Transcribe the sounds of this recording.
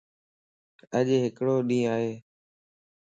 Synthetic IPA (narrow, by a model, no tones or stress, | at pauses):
əʄɦɪkɽoːɗĩːaːɦeː